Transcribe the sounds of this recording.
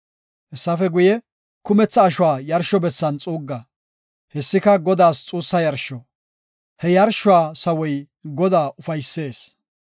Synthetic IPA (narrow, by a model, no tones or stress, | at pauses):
ʔɛsːɐfɛɡʊjɛ | kʊmɛt͡sːɐːʃʊwaːjɐɾʃɔbɛt͡sːɐnt͡sʼuːɡːɐ | hɛsːɪkɐɡɔd̪aːst͡sʼuːsːɐjɐɾʃɔ | hɛjɐɾʃʊaːsɐwɔj | ɡɔd̪aːʔʊfɐjsːe̞ːs